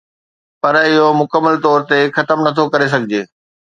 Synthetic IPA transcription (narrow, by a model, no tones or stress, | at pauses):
pɐɾɪɦomʊkəmːəlt̪ɔːɾt̪exɐt̪əmnɐt̪ʰokɐɾes̬ɐɡʱɪd͡ʑeː